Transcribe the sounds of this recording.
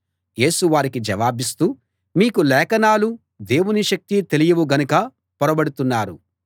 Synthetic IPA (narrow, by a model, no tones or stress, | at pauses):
je̞ːsuʋaːɾikid͡ʒɐʋaːbist̪uː | miːkulɛːkɐnaːlu | d̪e̞ːwuniʃɐk̚t̪it̪e̞lijɐʋuɡɐnukɐ | pɔɾɐbɐɽut̪unːaːɾu